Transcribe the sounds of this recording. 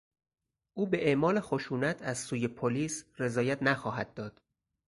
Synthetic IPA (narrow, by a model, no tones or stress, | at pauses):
ʔuːbe̞ʔeʔmɒːlexoʃuːnæt̪ʰæz̥suːje̞pʰoliːsre̞zɒːjæt̪ʰnæxɒːɦæd̪̚ːɒːd̪̥